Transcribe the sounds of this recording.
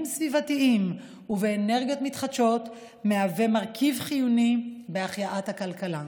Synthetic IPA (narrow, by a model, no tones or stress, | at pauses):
msvivatiim | uveːne̞ʁɡjo̞tmitχadʃo̞t | me̞ave̞maʁkʰivχijunibeaχjaʔathakalkala